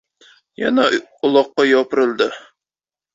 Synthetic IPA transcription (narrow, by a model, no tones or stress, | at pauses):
jɑ̰nɑŏlˠɑqːɑjɒpɤ̆ɾɤ̆lˠd̪ɤ